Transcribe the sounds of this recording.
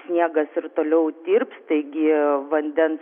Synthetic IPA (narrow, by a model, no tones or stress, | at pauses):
sʲnʲiɛɡɐsɪɾt̪oːlʲɛʊd̪ʲiːrpst̪ɐɪɡʲɪʋɐnʲd̪ʲɛns